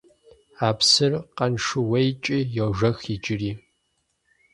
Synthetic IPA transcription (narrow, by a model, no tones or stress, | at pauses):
aːpsɨrqɐnʂɨwejt͡ʃʼijɛʁʒɐxid͡ʒʼɪriː